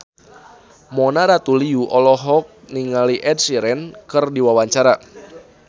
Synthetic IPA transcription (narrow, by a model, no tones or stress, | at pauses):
mɔnaɾat̪uliuʔɔlɔɦɔk̚niŋaliʔɛdsiɾɛnkɨrdiwawaɲt͡ʃaɾa